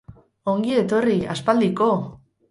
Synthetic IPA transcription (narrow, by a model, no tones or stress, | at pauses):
oŋɡie̞t̪o̞ria̰spald̪iko